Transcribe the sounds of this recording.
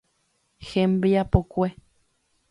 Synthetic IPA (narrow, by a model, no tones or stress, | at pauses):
xẽmbiapokʷe